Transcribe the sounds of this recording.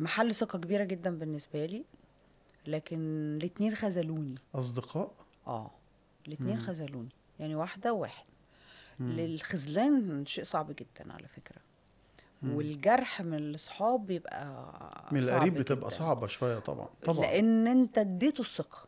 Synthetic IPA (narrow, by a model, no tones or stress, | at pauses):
maħalːsˤeqɑkebiːɾæɡed̪ːæmbenːesbæliː | læːkenlet̪niːnxæzæluːniʔɑs̬ˤd̪eqʰɑːʔ | ʔæ̰ː | let̪neːnxæzæluːni | jaʕniwaħd̪æwwa̰ːħe̥d̪̥̚ | lelxæzlæːnʃeːʔsˤɑʕbɡed̪̥ːæ̰nʕa̰læ̰fekɾæ | welɡɑɾˤħmenelʔɑsˤħɑːbjebʔæ̰menelʔæɾiːbbet̪ebʔæ̰sˤɑʕbɑʃowæjːæt̪ˤɑ̰bʕɑ̰nt̪ˤɑleʔenʔent̪æd̪ːeːt̪osˤːeqɑ̥